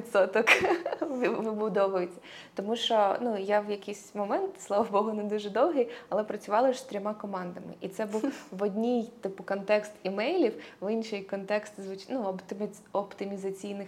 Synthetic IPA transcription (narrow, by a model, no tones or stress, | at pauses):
ɪt̪sɔt̪ɔkʋʲʋɪbʊd̪ɔʋɐjɪt͡sʲɐ | t̪ɔmuʃt͡ʃɔnujawjɐkijsʲmɔmɛnt̪slˠɑʋɐbɔɦʊnɛd̪uʒɛd̪ɔwɦɪjɐlˠɛpɾɐt͡sʲʊʋɑlˠɪʃst̪ɾʲɔmɑkɔmɑnd̪ɐmɪ̰ʔit̪sɛbuwʋɔdʲnʲijt̪ɪpʊkɔnt̪ɛkst̪imɛjlʲiwʋɪnʃɪjkɔnt̪ɛkst̪zʋʊt͡ʃnuɔt̪ɪ | ɔpt̪ɪmʲizɐt͡sʲijnɪx